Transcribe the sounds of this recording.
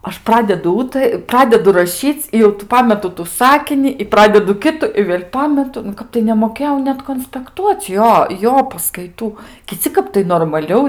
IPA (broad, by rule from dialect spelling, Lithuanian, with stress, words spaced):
ˈɐʃ ˈprɑːdʲɛdʊ ˈuːtɐ ˈprɑːdʲɛdʊ rɐˈʃʲiːt͡s ɪ jɛʊ tuː ˈpɑːmʲɛtʊ tʊ ˈsɑːkʲɪnʲɪ ɪ ˈprɑːdʲɛdʊ ˈkʲɪtʊ ɪ ʋʲeːlʲ ˈpɑːmʲɛtʊ nʊ ˈkɐp tɐɪ nʲɛmoːˈkʲeːjɛʊ ˈnʲɛt koːnʲsʲpʲɛkˈtuɔt͡s ˈjoː ˈjoː pɐskɐɪˈtuː kʲɪˈt͡sʲɪ ˈkɐp tɐɪ noːrmɐˈlʲɛʊ